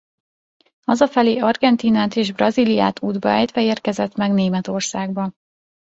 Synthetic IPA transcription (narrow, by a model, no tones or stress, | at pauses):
ɒzɒfɛleːɒrɡɛnt̪iːnaːt̪eːʒbrɒzilija̰ːt̪ʰuːd̪bɒɛjt̪ʋɛeːrkɛzɛt̪mɛɡneːmɛt̪o̞rsaːɡ̚bɒ